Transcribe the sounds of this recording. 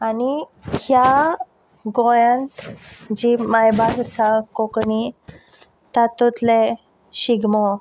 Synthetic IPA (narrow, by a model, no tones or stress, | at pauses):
anihja | ɡojãnt̪d͡ʑimajbad͡zsakokɳi | t̪at̪ot̪le | ɕiɡmɔ